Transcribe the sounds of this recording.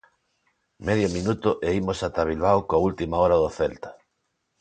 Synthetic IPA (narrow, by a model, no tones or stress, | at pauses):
meðjominut̪ʊʔeimosat̪aβ̞ilβ̞awkoault̪imaɔɾaðoθɛlt̪ḁ